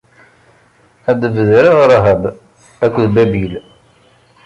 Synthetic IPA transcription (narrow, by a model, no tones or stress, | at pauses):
æd̪əvəðɾiʁɾˤɦəb | ækʷːðbæbil